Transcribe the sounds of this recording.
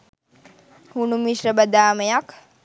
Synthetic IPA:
hunumiʃɾəbəd̪aːmejak

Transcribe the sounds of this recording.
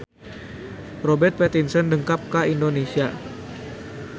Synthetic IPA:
robɛrt̪̚pɛt̪insəndəŋkap̚kaindonesia

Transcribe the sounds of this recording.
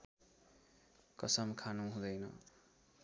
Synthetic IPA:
kʌsʌmkʰanuɦũd̪ʌjnʌ

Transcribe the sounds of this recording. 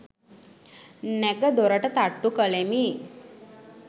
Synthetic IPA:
nɛkəd̪oɾəʈət̪aʈːukəlemi

